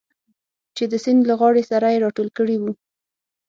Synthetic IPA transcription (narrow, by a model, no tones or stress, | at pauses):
t͡ʃed̪əsɪnd̪laɣwɑɽesaɾajeɾɑʈolkəɽiwu